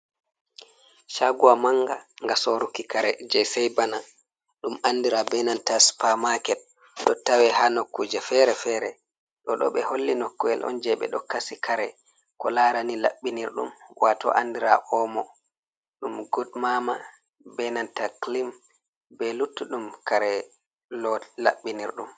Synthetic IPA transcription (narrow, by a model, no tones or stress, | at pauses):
ʃaɡuwamaŋɡaŋɡasɔɾukikaɾɛd͡ʒɛsɛjbana | ɗumandiɾabɛnantaspamakɛt̚ | ɗɔtawɛhanokːud͡ʒɛfɛɾɛfɛɾɛ | ɗɔɗɔ̰ɓɛholːinɔkːɔɛ̰lʔɔ̰nd͡ʒɛɓɛ̰ɗɔ̰kasikʰaɾɛ | kɔlaɾanila̰ɓːiniɾɗṵmwatɔ̰ʔandiɾa̰ʔɔmɔ | ɗumɡɔdmama | bɛnantaklim | bɛlutːuɗumkaɾɛ | lɔla̰ɓːiniɾɗum